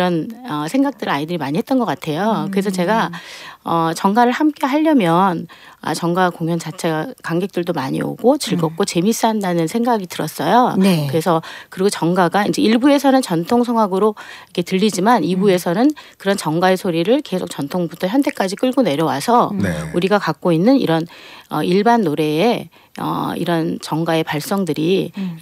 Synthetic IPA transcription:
ɾʌnʌsʰeŋɡak̚t͈ɯɾaidɯɾimaɲiɦe̞t̚t͈ʌnɡʌk͈atʰe̞jokɯɾe̞sʰʌt͡ɕe̞ɡa | ʌt͡ɕʌŋɡaɾɯɭhamk͈e̞ɦaʎːʌmjʌn | a̰t͡ɕʌŋɡakoŋjʌnt͡ɕat͡ɕʰe̞ɡakaŋɡe̞k̚t͈ɯɭdomaɲḭo̰ɡot͡ɕiɭɡʌk̚k͈ot͡ɕe̞mis͈iɦandanɯnsʰe̞ŋɡaɡitɯɾʌs͈ʌjonkɯɾesʰʌkɯɾiɡot͡ɕʌŋɡaɡaind͡ʑe̞iɭbue̞sʰʌnɯnt͡ɕʌntʰoŋsʰʌŋɦwaɡɯɾoikʰe̞tɯʎːid͡ʑimanibue̞sʰʌnɯnkɯɾʌnt͡ɕʌŋɡae̞sʰoɾiɾɯɭke̞sʰok̚t͡ɕʌntʰoŋbutʰʌçjʌntʰe̞k͈ad͡ʑik͈ɯɭɡone̞ɾjʌwasʰʌuɾiɡakak̚k͈oinːɯnḭɾʌnʌ̰iɭbanːoɾe̞ː | ʌ̰ḭɾʌnt͡ɕʌŋɡae̞paɭs͈ʌŋdɯɾi

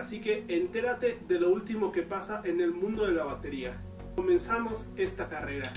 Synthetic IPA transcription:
asike̞ːnt̪e̞ɾat̪e̞ðe̞loult̪imo̞ke̞pasaʔe̞ne̞lmũnd̪o̞ðe̞laβat̪e̞ɾia | ko̞mẽ̞nsamo̞s | e̞st̪akare̞ɾa

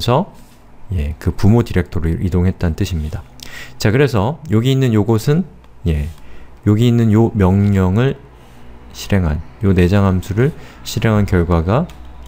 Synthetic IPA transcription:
sʰʌ | je̞kɯpumodiɾe̞k̚tʰʌɾɯɾʔidoŋɦe̞t̚t͈annt͈ɯɕʰimɲidat͡ɕakɯɾe̞sʰʌjoɡiːnːɯnjoɡosʰɯn | je̞joɡiːnːɯnjomjʌŋɲʌŋɯɭ | ɕʰiɾe̞ŋɦa̰njone̞d͡ʑaŋɦamsʰuɾɯɭɕʰiɾe̞ŋɦankjʌɭɡwaɡa

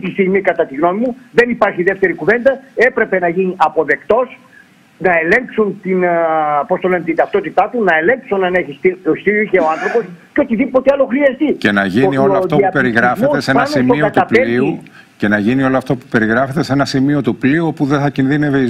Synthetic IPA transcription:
t̪ist̪iɣmikɐt̪ɐt̪iɣno̞mimuðe̞nipɐɾçiðe̞ft̪e̞ɾikuve̞nd̪ɐe̞pɾe̞pe̞nɐʝiniʔɐpo̞ðe̞kt̪o̞s | nɐe̞le̞ŋksunt̪inpo̞st̪o̞le̞net̪ind̪ɐft̪o̞t̪it̪ɐt̪unɐele̞ŋksonɐne̞çist̪iost̪iiçeoɐnθɾo̞po̞sceo̞t̪iðipo̞t̪eɐlo̞xɾiɐst̪icenɐʝinioloɐfoɐpeɾiɣɾɐfet̪esenɐsimiot̪uɐpeiu | ce̞nɐʝinio̞loɐft̪opupe̞ɾiɣɾɐfe̞t̪esenɐsimio̞t̪upliuopuðeθɐcinðineve

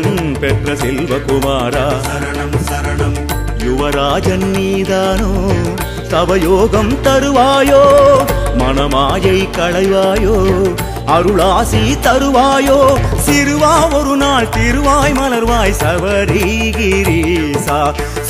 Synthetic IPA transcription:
pɛʈrɐsɛlʋɐkʊmaːɾaː | jʊʋɐɾaːd͡ʒɐnːiːðaːnoː | sɐʋɐjoːɣɐmt̪ɐɾɯʋaːjoːmɐnɐmaːjɐɪkɐɭɐɪʋaːjoː | ɐɾɯɭaːsit̪ɐɾɯʋaːjoːsɪɾɯʋaːɔɾɯnaːɭt̪ɪɾɯʋaːjmɐlɐɾʋaːjsɐʋɐɾiɡiɾisaː

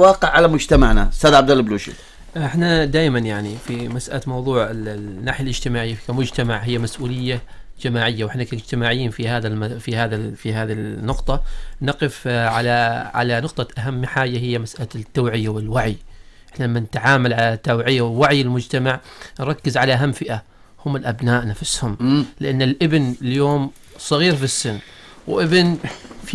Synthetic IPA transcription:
wɑːqɪʕːalamʊd͡ʒt̪amaʕnast̪aːd̪ʕabd̪alːbluːʃḭ | ʔɪħnad̪aːjmanjaʕnifimasʔa̰lamɑwðˤuːʕɪlnːaːħjalʔɪd͡ʒt̪ɪmaːʕɪjːafi̥kamʊd͡ʒt̪amaʕɦɪjːamasʔuːlɪjːad͡ʒamaːʕɪjːawɪħnakaɪd͡ʒt̪ɪmaːʕɪjːiːnfihaːðamfihaːðafiɦaːðinːʊqt̪ˤɑnɑqɪfʕalaʕa̰lanʊqt̪ˤɑʔaɦamːħaːjːaɦɪjːamasʔalat̪ːawʕɪjːawɪlwaʕiʔɪħnalamːanɪt̪aʕaːmalʕalat̪ːawʕɪjːawɪwaʕjɪlmʊd͡ʒt̪amaʕnɾˤɑkːɪzʕalaʔaɦamːfɪʔa | hʊmːɪlʔabnaːʔnafɪshʊmlɪʔanːɪlʔɪbnljoːm | sˤɑɣiːɾfisːɪnː | wʔɪbɪnf

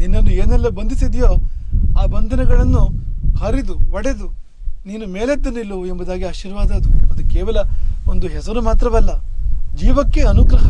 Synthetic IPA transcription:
ninːɐnːueːnɛlːɐbɐnd̪ʱisid̪joːaːbɐnd̪ʱɐnɐɡɐɭɐnːuhɐɾid̪uʋɐɽed̪u | niːnume̞ːled̪ːɐnːilːuembɐd̪aːɡiaːʃiːɾʋaːd̪aːd̪uɐd̪ukeːʋɐlɐond̪uɦɛsɐɾumaːt̪ɾɐʋɛlːɐd͡ʒiːʋɐkːe̞ɐnuɡɾɐɦɐ

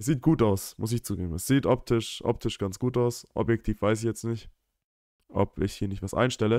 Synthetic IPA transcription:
sz̥iːt̚ɡ̥uːtaʊsmʊs̬ɪçt͡suːɡḛːbm̩ɛsz̥iːtʔɔp̚tʰɪʃʔɔ̰p̚tʰɪʃɡ̥ant͡sɡ̥uːtaʊsʔɔ̰bjɛk̚tʰiːfv̥aɪs̬ɪçjɛt͡stnɪçt | ʔɔ̰pɪçhiːɐnɪçtv̥asʔa̰ɪnʃtɛlə

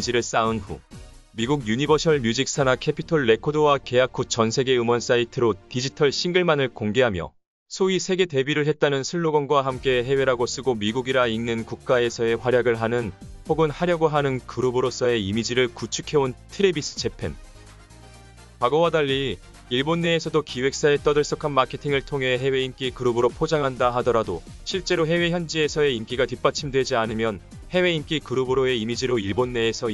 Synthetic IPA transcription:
d͡ʑiɾɯɭs͈aɯnɸṵmiɡuɡjuɲibʌsʰʌɭmjud͡ʑik̚s͈ʰanakʰe̞pʰitʰoɭːe̞kʰodowake̞jakʰut͡ɕʌnsʰe̞ɡe̞ɯmʌns͈aitʰɯɾotid͡ʑitʰʌɭɕʰiŋɡɯɭmanɯɭkoŋɡe̞ɦamjʌ̰ | sʰoisʰe̞ɡe̞te̞biɾɯɭɦe̞t̚t͈anɯnsʰɯɭːoɡʌnɡwaɦamk͈e̞ɦe̞we̞ɾaɡos͈ɯɡomiɡuɡiɾainnːɯnkuk̚k͈ae̞sʰʌe̞ɸwaɾjaɡɯɭɦanɯnpʰoɡɯnhaɾjʌɡoɦanɯnkɯɾɯbɯɾos͈ʰʌe̞imid͡ʑiɾɯɭkut͡ɕʰukʰe̞ontʰɯɾebis͈ʰɯ̥t͡ɕe̞pʰe̞̰n | kwaɡowadaʎːi | iɭbonːe̞ːsʰʌdokiwe̞k̚s͈aet͈ʌdɯɭs͈ʌkʰanmakʰe̞tʰiŋɯɭtʰoŋɦe̞ɦe̞we̞imk͈ikɯɾɯbɯɾopʰod͡ʑaŋɦandaɦadʌɾadoɕʰiɭt͡ɕ͈e̞ɾoɦe̞we̞çjʌnd͡ʑie̞sʰʌe̞imk͈iɡatip͈at͡ɕʰimdwe̞d͡ʑianɯmjʌn | he̞we̞imk͈ikɯɾɯbɯɾoe̞imid͡ʑiɾoiɭbonːe̞ːsʰʌ

